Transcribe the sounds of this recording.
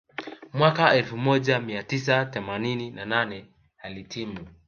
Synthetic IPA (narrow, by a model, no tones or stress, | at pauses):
mwakaɛlfumɔʄamiatis̬aθɛmanininananɛ | alitʰimu